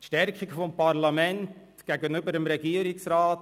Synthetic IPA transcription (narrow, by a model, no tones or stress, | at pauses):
tʃtɛɾkχiɡəfomparlamɛnt | ɡ̥ɛɡənʏbəɾəmɾɛɡiəɾiksraːt